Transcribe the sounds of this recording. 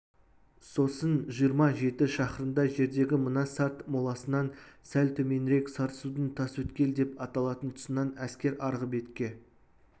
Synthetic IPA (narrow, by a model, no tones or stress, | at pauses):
so̞sənʒijəɾmɑʒe̞t̪ɪʃɑχəɾənd̪ɑʒe̞ɾd̪e̞ɡʲɪmənɑsɑt̪molˠɑsənɑnsælt̪ʰɵme̞nɾe̞ksɑɾt̪əsud̪ənt̪ʰɑswɵt̪kʲe̞ld̪e̞pɑt̪ɑlˠɑt̪ənt̪ʰʊ̥sənɑnæskʲe̞ɾɑɾʁəbe̞t̪kʲe̞